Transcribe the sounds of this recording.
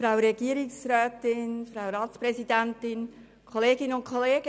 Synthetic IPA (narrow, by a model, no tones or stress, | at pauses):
fɾawəɾɛɡiəɾɪksrɛːtɪnfɾaʊɾɑːtspɾɛsidæntɪn | kʰχoleːɡɪnʊntkχɔleːɡ̥ə